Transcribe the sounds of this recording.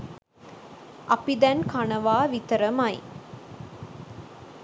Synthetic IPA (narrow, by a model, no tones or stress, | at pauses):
ʔɐpid̪ænkanɐʋaːʋit̪əɾəmɐj̰